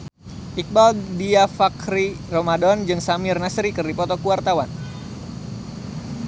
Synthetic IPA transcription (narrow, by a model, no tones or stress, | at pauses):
ʔik̚baldiafakɾi | romadɔnd͡ʒɨŋsamɪrnasɾikɨrdipɔt̪ɔkuwart̪awan